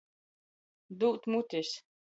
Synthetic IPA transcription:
d̪uːt̪mut̪ʲis

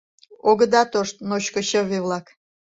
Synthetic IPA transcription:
oɡə̆d̪ɑt̪oʃt̪̚noɕkoɕəβivlɑk

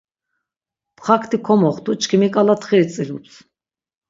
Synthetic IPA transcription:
pχakʰt̪ʰikʰɔmɔχt̪ʰut͡ʃkʰimikʼalat̪ʰχiɾt͡sʼilups

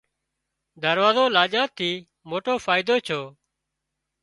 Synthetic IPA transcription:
d̪əɾʋaːzoːlaːd͡ʒaːt̪ʰːiː | moːʈoːfʰaːɪd̪oːt͡ʃʰoː

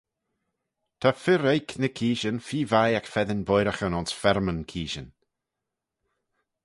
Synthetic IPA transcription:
t̪ʰafɪɾejkʰnəkʰiːʃənfiːvajakfɛðənbɔjɾəxənɔnsfɛɾmənkʰiːʃən

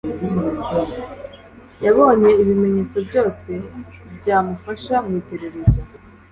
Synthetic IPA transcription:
im | jaβo̞ːne̞iβime̞ɲe̞t͡so̞bɟo̞ːse̞bɟaːmufaʃamumite̞ɾe̞ɾezo

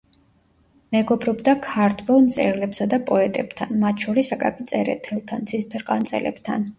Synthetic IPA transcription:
mɛɡɔbɾɔbd̪akʰaɾt̪ʰvɛlˠmt̪sʼɛ̰ɾlɛbsad̪apʼɔɛt̪ʼɛb̥t̪ʰanmat̪ʰʃɔɾisakʼa̰kʼit̪sʼɛɾɛ̰t̪ʰɛlˠt̪ʰant̪sʰispʰɛɾqʼa̰nt̪sʼɛ̰lɛ̰b̥t̪ʰa̰n

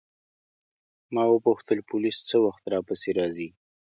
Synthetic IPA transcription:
mɑwəpuxt̪əlpʊlist͡səwaxt̪ɾɑpəseɾɑzi

